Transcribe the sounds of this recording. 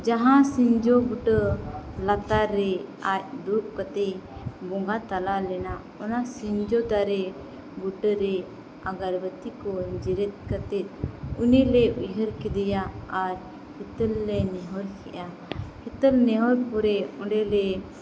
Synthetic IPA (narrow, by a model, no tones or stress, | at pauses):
d͡ʒaɦãsiɲd͡ʒɔɡuʈəlat̪aɾːɛac̚d̪up̚kət̪ɛjbɔŋɡat̪alalɛna | ɔnasiɲd͡ʒɔd̪aɾɛ | ɡuʈəɾɛ | aɡaɾbət̪ikɔɲd͡ʒiɾɛt̪̚kət̪ɛt̪̚unilɛwiɦəɾkɛd̪ɛjaaɾ | hit̪əlːɛnɛɦɔɾkʰɛʔa | hit̪əlnɛɦɔɾpɔɾɛɔɳɖɛlɛ